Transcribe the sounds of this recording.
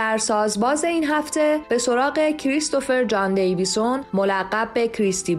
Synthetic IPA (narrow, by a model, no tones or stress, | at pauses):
æɾsɒːzbɒːze̞iːnɦæft̪ʰe̞b̥e̞so̞ɾɒːɣe̞cʰɾist̪o̞fe̞ɾd͡ʒɒnd̪e̞jviso̞nmo̞læɢːæbbe̞cʰɾist̪ʰib